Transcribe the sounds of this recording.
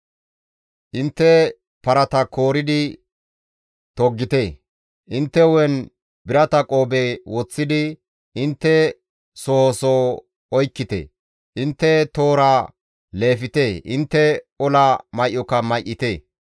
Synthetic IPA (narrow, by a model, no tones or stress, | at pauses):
ʔɪnt̪ːɛ | pɐɾɐt̪ɐkoːɾɪd̪ɪ | t̪ɔɡːɪt̪eː | ʔɪnt̪ːɛwɛn | bɪɾɐt̪ɐkʼo̞ːbewɔt͡sːɪd̪ɪ | ʔɪnt̪ːɛ | sɔhɔso | ɔjkːɪt̪ḛː | ʔɪnt̪ːɛt̪o̞ːɾa | le̞ːfɪt̪eːʔɪnt̪ːɛɔlɐmɐjʔːɔkːɐmɐjʔːɪt̪eː